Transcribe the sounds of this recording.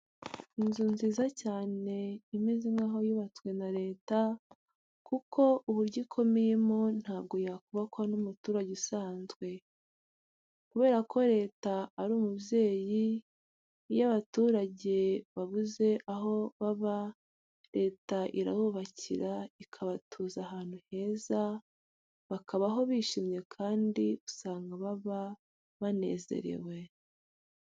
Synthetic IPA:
inzuːnziːzacaːne̞imeziŋɡaːɦo̞juβat͡swe̞naɾe̞ːta | kukʰo̞ʔuβuɾɟikʰo̞meje̞mon̥haːb̚ɡo̞jakuβakwanumutuːɾaɟeusaːnzɡwe̞ | kuβe̞ːɾakʰo̞ɾe̞ːtaːɾuːmubje̞ːji | jaβatuːɾaɟe̞βaβuze̞ʔaɦo̞βaβa | ɾe̞ːtaʔiɾa̰huːβaciɾaikʰaβatʰuːzaɦaːn̥huhe̞ːza | βakaβaɦo̞βiːʃimɲe̞kʰaːndiusaːŋɡaβaβa | βane̞̰ːze̞̰ɾḛwe̞

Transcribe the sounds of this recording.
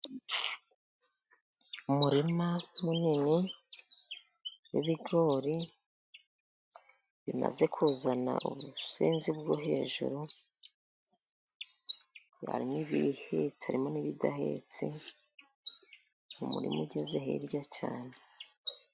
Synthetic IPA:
umuɾimamunini | wiβiɡo̞ːɾi | βima̰ze̞kʰuːzana̰ʔuβuseːnzibɡoɦe̞ːʒṵɾu | a̰ɾimiβihet͡siaɾimo̞niβidaɦḛːt͡si | umṵɾḭmuɟezeɦḛɾjat͡ʃaːne

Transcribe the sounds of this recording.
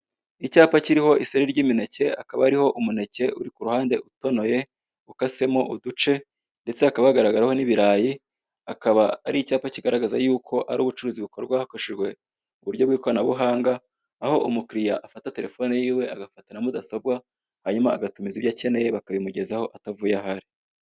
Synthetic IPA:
icaːpaciɾiho̞ʔiseɾiɾɟiːmine̞ce̞akaβaaɾiho̞ʔumune̞ce̞ʔuɾikuɾuhaːnde̞ʔuto̞no̞je̞ | ukase̞mo̞ʔudut͡ʃe̞ | nde̞t͡seakaβaaɡaɾaɡaɾaho̞niβiɾaːji | akaβaːɾicaːpaciɡaɾaɡazajuːkʰo̞ʔaɾṵβut͡ʃuɾuːziβuko̞ɾɡwahakoʃiʒɡwe̞ | uβuɾɟo̞βɡiːko̞ɾanaβuɦaːŋɡaː | ho̞ʔumukɾijaʔafatate̞ɾe̞fo̞nejiːwe̞aɡafatanamudasob̚wa | haɲumaːɡatumizibjace̞ne̞jeβakaβimuɟe̞zaho̞ʔatavujahaɾi̥

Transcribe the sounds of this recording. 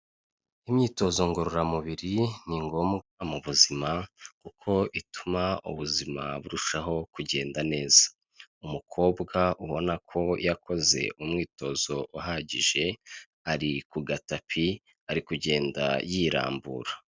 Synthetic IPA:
imɲiːto̞zo̞ŋɡoɾoɾamuβiɾiniŋɡo̞mɡamuβuzimakukʰo̞ʔitumaṵβuzima̰βuɾuʃaɦo̞kuɟe̞ːndane̞ːzḁ | umukʰo̞ːbɡaʔuβo̞nakʰo̞jakʰo̞ze̞̰ʔumŋiːto̞zo̞ʔuɦaːɟiʒe̞ | aɾikuɡatapʰi | aɾikuɟe̞ːnda̰jiːɾa̰ːmbṵːɾa

